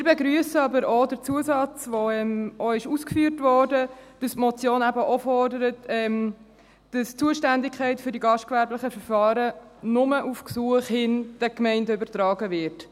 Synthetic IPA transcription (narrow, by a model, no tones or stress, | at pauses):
mɪːɾbɛɡɾyəsəɑbəɾɔdəɾt͡suəsɑt͡sʋɔɛmɔɪʃuːskfyːɾtvɔːɾdəd̥ɑstmɔt͡sjoːnæbəʔɔfɔrdəɾətɛm | d̥ɑst͡suəʃtændɪkʰχæɪtfʏɾdiɡɑʃt̚kʋæɾblɪχəfəɾfɑːɾə | nʊməʔufksuəχhɪnd̥ɛkmɛɪndəʏbəɾtɾɑːɡəvɪɾt